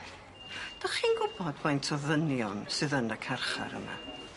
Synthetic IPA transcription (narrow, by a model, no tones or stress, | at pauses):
d̥ɔχiːnɡʊbɔdmajntʰɔðənjɔnsɨðənəkʰarχa̰ɾə̰ma̰